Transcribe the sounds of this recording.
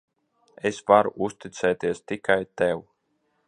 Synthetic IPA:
esvaɾuʔust̪it̪sɛːt̪iɛst̪ikajt̪ɛw

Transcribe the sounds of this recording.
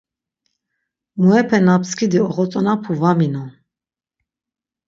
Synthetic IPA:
muɛpʰɛnapskʰid̪iɔχɔt͡sʼɔnapʰuvaminɔ

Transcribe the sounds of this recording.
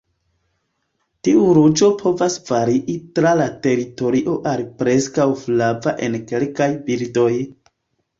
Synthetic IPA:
tiʔuɾud͡ʒo̞pʰo̞vasv̥aɾiʔitɾalate̞ɾito̞ɾiʔo̞ʔalipɾe̞skawflavaʔe̞nke̞lkajbildo̞j

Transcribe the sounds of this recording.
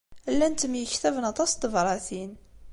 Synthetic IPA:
lːænt̪əmjəçt̪ævnɑt̪ˤɑst̪əvɾˤɑθin

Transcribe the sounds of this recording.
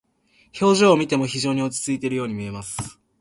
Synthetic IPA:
ço̞ːʑoːmʲit̪e̞mo̞çiʑo̞ːɲ̟io̞t͡ɕi̥t͡sɨit̪e̞ɾɯ̟jo̞ːɲ̟imie̞masɨ̥

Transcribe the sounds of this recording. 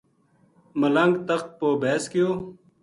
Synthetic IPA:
mələŋɡt̪əxt̪̚poːbeːskɪjoː

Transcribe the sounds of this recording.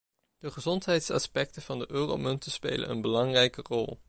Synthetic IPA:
d̥əχəzɔntɦɛjtsɑ̰spɛktəv̥ɑndəʔøːro̰wmɵntəspḛjlə̰nə̰nbəlɑŋrɛjkərɔ̰lˠ

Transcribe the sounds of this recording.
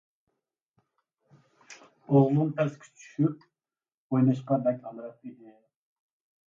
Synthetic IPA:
oʁlˠunt̪ʰɛskʲʰi̥t͡ʃʰy̥ʃyp̚ | ojnɨʃqɑbɛkʲɑlˠd̪ɨɾɑp̚ed̪ɪ

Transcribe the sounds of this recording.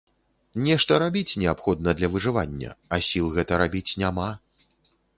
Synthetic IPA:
nʲɛʂt̪ɐɾabʲit͡sʲnʲɛapxɔd̪nɐd̪lʲɐvɨʐɨvanʲːɐ̰ɐsʲilˠɣɛt̪ɐɾabʲit͡sʲnʲama

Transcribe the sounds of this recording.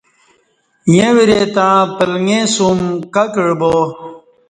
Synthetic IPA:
jẽwiɾet̪ãːpəlŋẽsumkɐkiɽboː

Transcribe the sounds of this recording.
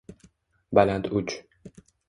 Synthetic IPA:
balant̪ʰʊt͡ʃ

